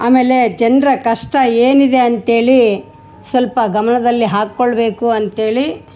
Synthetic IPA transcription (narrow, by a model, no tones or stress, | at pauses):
aːme̞ːle̞d͡ʒɐnd̪ɾɐkɐʂʈɐeːnid̪e̞ɐnt̪e̞ːɭi | sɐlpɐɡɐmɐɳɐd̪ɐlːiɦaːkkɔɭbe̞ːkuɐnt̪e̞ːɭi